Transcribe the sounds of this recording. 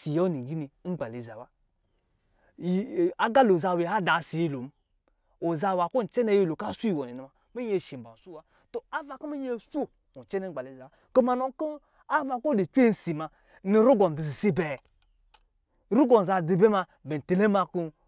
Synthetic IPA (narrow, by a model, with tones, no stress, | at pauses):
si˨jo˦ni˨ɡi˦ni˨˦n̩˦ɡ͡ba˨le˨za˨wa˦˨ | a˦ɡa˦lo˨za˨we˨ha˦da˨si˨ji˦˨lo˨m˦ | o˨za˧wa˨ko˦˨n̩˨t͡ʃɛ˦ne˦je˦˨lo˨ka˦su˦i˨wo˨ni˨ni˨ma˨ | mi˦e˨ʃi˨m̩˨ba̰˨su˦wa˦ | to˨a˦va˨ku˦mi˦je˦˨su˦˨ | u˨t͡ʃɛ˦ne˦ɡ͡ba˨le˨za˨wa˦ko˦ma˨no˦ko˦ | a˦va˨ko˦di˨t͡ʃʷe˦˨n̩˨si˨ma˨ | ni˨ɾu˦ɡo˨n˨di˨zi˨si˦bɛ˨ | ɾu˦ɡo˨n˨za˨di˨be˦ma˧ | be˨te˨le˦ma˧ku˦